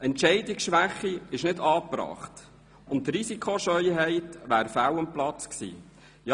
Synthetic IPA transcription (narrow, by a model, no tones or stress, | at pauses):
ɛnt͡ʃɛɪdɪksʃʋæχiɪʃnɪdɑːpɾɑ̰ːχt | ʊntːɾisikʰoʃœjɦɛɪtʋæːɾfæwəmplɑt͡sksḭː | jɑ